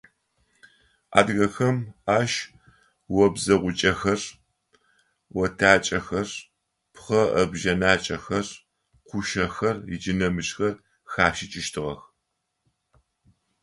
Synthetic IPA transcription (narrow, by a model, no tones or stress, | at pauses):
a̰ːdɣɐxɐmaːʃ | wɐbzɐʁʷʊt͡ʃʼɐxɐr | wɔtʰaːt͡ʃʼɐxɐr | pχɐʔɐbʒɐnaːt͡ʃʼɐxɐr | qʷʊʃɐxɐrɪ̰d͡ʒɪnɐmɨɕxɐr | xaːʃɪt͡ʃʼɪʃtʰɨʁɐ̰x